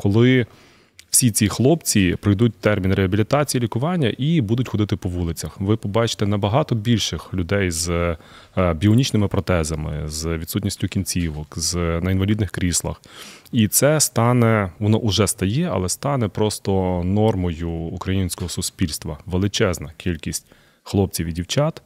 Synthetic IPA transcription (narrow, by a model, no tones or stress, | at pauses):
kɔlˠɪ | w̥sʲit͡sʲixlˠɔpt͡sʲipɾɪjd̪ut̚ʲt̪ɛrmʲinɾeɦɐbʲilʲit̪ɑt͡sʲijilʲikʊʋɑnʲːɐʔibud̪ʊtʲxɔd̪ɪt̪ɪpɔʋulˠɪt͡sʲɐxʋɪpɔbɑt͡ʃɪ̥t̪ɛnɐbɐɦɑt̪ɔbʲilʲʃɪxlʲʊd̪ɛjz | bʲiɔnʲit͡ʃnɪmɪpɾɔt̪ɛzɐmɪ̰zʋʲid̪sutʲnʲisʲtʲʊkʲinʲt͡sʲiʋɔkznɐinʋɐlʲid̪nɪxkɾʲislˠɐ̰xit̪sɛst̪ɑnɛʋɔnɔʔʊʒɛst̪ɐjɛɐ̰lˠɛst̪ɑnɛpɾɔst̪ɔnɔrmɔjʊːkɾɐjinʲsʲkɔɦɔsʊspʲilʲst̪ʋɐʋelˠɪt͡ʃɛznɐkʲʰilʲkʲisʲtʲ | xlˠɔp̚t͡sʲiʋidʲiwt͡ʃɑt̪